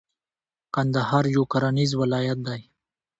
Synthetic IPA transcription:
kand̪ahɑɾjukaɾanizwɪlɑjat̪̚d̪aj

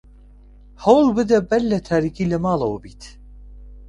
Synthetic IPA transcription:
hawulˠbɨd̪ɛbɛlːɛt̪ʰaːɾikʰilɛmaːlˠaubit̪ʰ

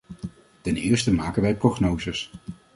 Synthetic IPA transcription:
tɛnɪːɹstəmaːkənʋɛjproχnowzəs

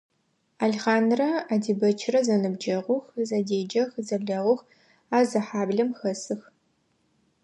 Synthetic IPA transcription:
aɮχaːnrɐaːdiːbɐt͡ʃʰɪrɐzɐnɨbd͡ʒɐʁʷʊxzɐdeːd͡ʒɐxzɐɮɐʁʷʊx | aːzɐħaːbɮɐmxɐsɨx

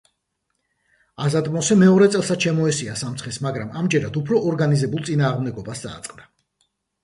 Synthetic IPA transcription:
azad̪ʼmɔsɛmɛɔɾɛt̪sʼɛlˠsat͡ʃʰɛmɔɛsiasamt̪sʰχɛsmaɡɾamamd͡ʒɛɾad̪upʰɾɔʔːɾɡanizɛbulˠt̪sʼinaːʁmd̪ɛɡɔbasd̪a̰ːt̪sʼqʼd̪a

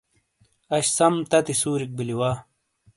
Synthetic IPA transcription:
ɐɕsɐmt̪ɐt̪isuːɾik̚biliwaː

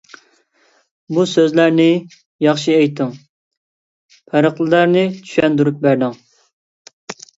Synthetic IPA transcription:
busøzlæɾnɪ | jɑχʃiɛjt̪ʰːɨŋ | pʰæɾəqlˠɨlæɾnɪt͡ʃʰy̥ʃɛnd̪uɾup̚bæɾd̪ɪŋ

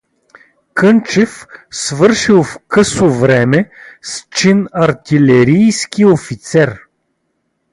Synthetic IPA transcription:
kɤnt͡ʃɛfsvɤɾʃilˠfkɤsovɾɛmɛst͡ʃinɐɾt̪ilɛɾijskiofit̪sɛɾ

